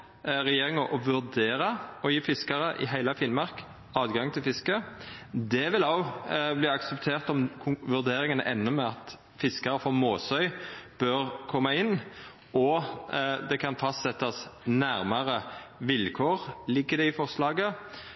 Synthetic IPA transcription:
ʁɛjeːʁɪŋɑʔɔʋʉʁd̪eːʁɑɔjiːfɪskɑɾəʔɪ̰ɦæɪləfiːnmɑʁk | ɑːd̪ɡɑŋt̪ʰɪlfɪskəd̪ɛʋɪlɑʊbliːɑksəpt̪ʰeːʁt̪ɔmʋʉʁd̪eːɾɪŋənə̰ʔɛnːʊmɛɑt̪ | fɪskɑɾəfɔmoːsœʏb̥øʁkʰɔmːɑɪnː | ɔ | d̪ɛkʰɑnfɑst̪sɛt̪ːɑsnæɾmɑʁəʋɪlkʰoːʁlɪɡːəd̪ɛɪfɔʁslɑːɡə

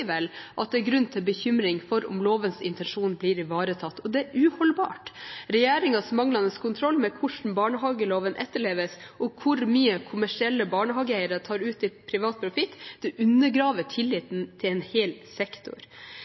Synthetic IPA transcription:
ʋɛlʔɑt̪̚d̪ɛæɾɡɾʉnːt̪ʰɪlbəçʏmɾɪŋfɔɾʊ̰mloːʋənsɪ̰nt̪ʰɛnʂuːnbliːɾɪʋɑːɾət̪ʰɑt̪ːɔd̪ɛæʉːhɔlbɑ̰ːʈɾɛjeːɾɪŋɑsmɑŋlɑnəskʰʊnt̪ʰɾɔlːmɛkʰʊʂn̩bɑːɳəɦɑːɡəloːʋənʔɛt̪ːəɭeːʋəsʔɔkʰʊɾmyːəkʰʊmæʂɪɛlːəbɑːɳəɦɑːɡəæɪəɾət̪ʰɑːɾʉːt̪ɪpʰɾɪʋɑːt̪̚pʰɾʊfɪt̪ːd̪̥ɛʔʉnːəɡɾɑːʋəʈʰɪlːɪt̪n̩t̪ʰɪlɛːnheːlsɛkt̪ʊ̰ɾ

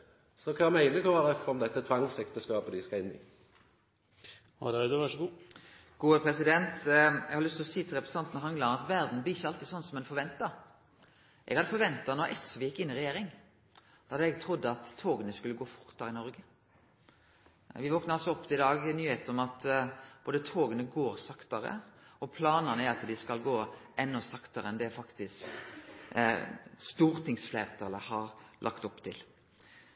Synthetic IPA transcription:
sɔkʰɑmæɪnəkʰɔʋɑd̪ɛfɔmd̪ɛt̪ːət̪ʰʋɑŋsɛkt̪əskɑːpəd̪ɪskɑɪnːɪ̰ | hɑ̰d̪æd̪əʋæʂɔɡuː | ɡ̥uːəpʰɾɛsɪd̪ɛnt̪ɛ̰ɡhɑɾlʏst̪ɪlɔsiːt̪ʰɪlʁɛpɾsɑnt̪nəɦɑŋlɑnɑt̪ʋæɾd̪n̩blɪɪçːəɑlt̪iːsɔnːsɔmɛnfɔɾʋɛnt̪ɑ | ʔɛ̰ɡhɑd̪əfɔɾʋɛnt̪ːɑnɔɾʔɛsʋɪjɪkːɪnːɪʁɛjeːɾɪŋ | d̪̥ɛhɑd̪ɛɡt̪ʰɾʊd̪ːəɑt̪ʰːoːɡənəskʉlːəɡoːfʊɾt̪ɑɾɪnɔɾɡə | ʋɪʋɔknəɾɑlsɔɔpːt̪ʰɪɪd̪ɑːɡnyːheːt̪n̩ɔmɑt̪b̥oːd̪ət̪ʰoːɡənəɡoːɾsɑkt̪ɑɾə̰ɔpʰlɑːnɑnəæɾɑt̪d̪ɪskɑlɡoːʔɛnːɔsɑkt̪ɑɾəɛnd̪ɛfɑkt̪ɪsk | st̪uːɾt̪ʰɪŋsfleːʁt̪ʰɑləhɑɾlʔɑ̰kt̪ɔpːt̪ʰɪl

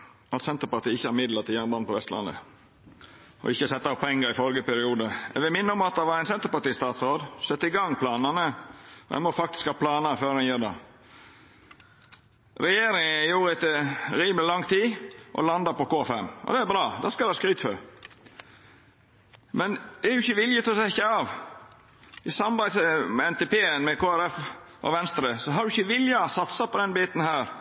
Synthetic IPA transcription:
ɑt̪sɛnt̪əɾpɑt̪iːɪçəhɑɾmɪd̪lɑt̪ʰɪljænbɑnpʰɔʋɛst̪lɑ̰nə̰ | ɔ̰ɪçːəsɛt̪ːɑɔpʰːɛŋːəɾɪfɔlɡəpæɾɪuːd̪əɛ̰ɡʋɪmɪnːəɔmɑt̪̚d̪ɛʋɑɾæɪnsɛnt̪əɾpɑʈ̪iːst̪ɑːt̪sɾoːd̪sɛt̪ːɪɡɑŋːpʰlɑːnənəɔ̰ɛ̰mɔfɑk̚t̪ɪ̥skhɑːpʰlɑːnɑføːɾɛnjøːɾd̪ɑ̰ | ɾɛjeːɾɪŋəjuːɾəɛt̪ɾiːmlɪlɑŋt̪ʰiːʔɔ̰lɑnd̪ɑɾpɔkoːfɛmʔɔ̰d̪ɛæbɾɑːd̪ɑ̰skɑɛhɑskɾyːt̪fø̰ɾ | mɛnd̪̥ɛæɾʉɪçəʋɪljət̪ʰɔsɛɪçəɑʋ | ɪsɑmɑbæɪsəmɛɛnt̪epeːənmɛkʰoːæɾɛf | ʔɔ̰ʋɛnst̪ɾəsɔɦɑɾd̪ʉɪçːəʋɪljɑsɑt̪sɑpɔd̪ɛnbiːt̪n̩hæːɾ

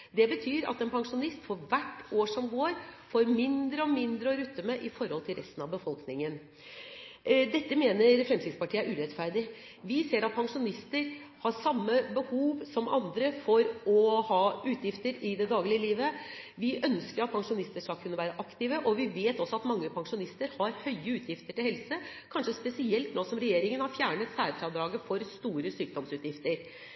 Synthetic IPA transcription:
d̪ɛbət̪ʰyːɾɑ̰t̪ɛnpʰɑŋʂʊnɪst̪fɔɾʋæʈːoːʂɔmɡoːɾfoːɾmɪnd̪ɾəɔmɪnd̪ɾəɔɾʉt̪ːəməʔɪfɔɾhɔlt̪ʰɪlɾɛst̪ən̩ɑʋbəfɔlknɪŋən | d̪ɛt̪ːəmeːnəɾfɾɛmsɪd̪spɑʈʰiːəæɾʉːɾɛt̪fæɾd̪ɪ | ʋɪseːɾɑt̪̚pʰɑŋʂʊnɪst̪əɾ | hɑɾʂɑmːəbəhuːʋsɔmʔɑ̰nd̪ɾəfɔɾɔhɑːʉːt̪ʰjɪft̪əɾɪd̪ɛd̪ɑːɡlɪəliːʋə | ʋɪʔœnskəɾɑt̪̚pʰɑŋʂʊnɪst̪əʂkɑlkʰʉnːəʋæːɾəʔɑkt̪ɪʋəʔɔʋɪʋeːt̪ɔsːɔɑt̪mɑŋːəpʰɑŋʂʊnɪst̪əɾhɑɾhœʏəʉːt̪ʰjɪft̪əʈɪlhɛlsəkʰɑnʂəspɛsɪɛlt̪noːsɔmɾɛjeːɾɪŋənhɑɾfjæːɳət̪sæːɾfɾɑd̪ɾɑːɡəfɔɾst̪uːɾəsyːk̚d̪ɔmsʉːt̪jɪft̪əɾ

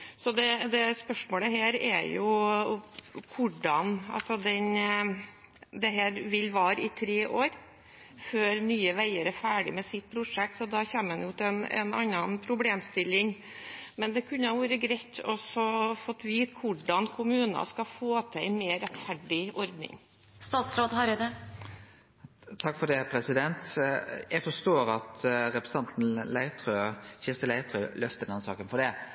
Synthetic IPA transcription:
sɔd̪ɛd̪ɛspœʂmoːləɦeːɾɛ̰jʊ | kʰʊɖɑnɑ̰lsɔd̪ɛn | d̪ɛɦeːɾʋɪlːʋɑːɾəɪt̪ʰɾeːʔoːɾ | føːɾnyːəʋæɪəɾæfæːɖɪ̰mɛsɪt̪̚pʰɾʊʂɛk̚t̪sɔd̪ɑçeːmɛnjʊt̪ʰɪɛnɛ̰nɑ̰nːɑnpʰɾʊbleːmst̪ɪlːɪŋ | mɛnd̪ɛkʰʉnːəhɑʋuːɾəɡɾæɪt̪ːɔsɔfɔt̪ːʋiːt̪kʰʋʊɖɑnkʰʊmʉːnɑ̰skɑfoːt̪ʰɛɪmeːɾɛt̪fæɖɪɔɾd̪nɪ̰ŋ | st̪ɑːt̪sɾoːd̪hɑɾɛd̪ə | t̪ʰɑkːfɔɖɛpʰɾɛsɪd̪ɛnt̪jæɪfɔʂt̪oːɾɑt̪ɾɛpɾɛsɑnt̪n̩læɪt̪ʰɾøːçɪst̪əlæɪt̪ɾøːlœft̪əɖ̪ɛnsɑ̰ːkənfɔɖɛ

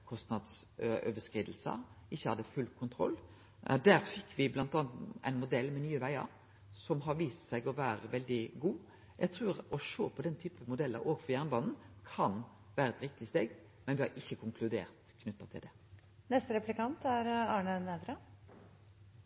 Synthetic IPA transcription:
kʰɔst̪nɑd̪søʋəskʁiːd̪l̩sə̰ʔɪçːəhɑd̪ːəfʉlkʰʊnt̪ʰɾɔ̰lː | d̪æɾfɪkːʋɪblɑnt̪ɑːnt̪æ̰ɪnmʊd̪ɛlːmɛnyːəʋæɪə̰ɾ | sɔmɦɑɾʋiːst̪sæɪɡɔʋæːɾəʋɛld̪ɪɡuː | jæɡ̚t̪ʰʁʉːɾɔʂoːpʰɔd̪ɛnt̪ʰyːpəmʊd̪ɛlːəɾoːɡfɔɾjæʁnbɑːnn̩kʰɑn | ʋæːɾəɛt̪ɾɪk̚t̪ɪst̪eːɡ | mɛnʋɪhɑɾɪçːəkʰʊŋkʰlʉd̪ḛːɾt̪kʰnʉt̪ːɑt̪ʰɪld̪ɛ | nɛst̪əɾɛplɪkɑnt̪æɾɑːɳənɛd̪ɾɑ

